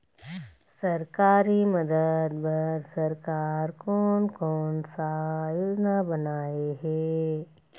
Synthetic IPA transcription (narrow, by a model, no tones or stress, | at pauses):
sɐɾkaːɾimɐd̪əd̪bɐɾsɐɾkaːɾkɔːnkɔːnsajoːd͡ʒnabɐnaːeɦɛː